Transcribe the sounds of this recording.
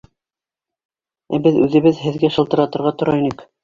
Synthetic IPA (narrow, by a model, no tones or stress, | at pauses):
æbɘðʉðɘ̆βɘðɦɘ̆ðɡæʃɤ̆lˠt̪ɤ̆ɾɑt̪ɤ̆ɾʁɑt̪ŏɾɑinɘk